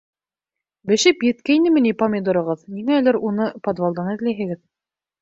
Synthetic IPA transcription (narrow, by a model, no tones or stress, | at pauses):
bɘ̆ʃɘpjɘ̆t̪kæjnɘmɘ̆nipɐmʲed̪ŏɾŏʁɤðmiŋæːlɘɾunɤpod̪valˠd̪ɑnɘ̆ðlæjɦɘ̆ɡɘð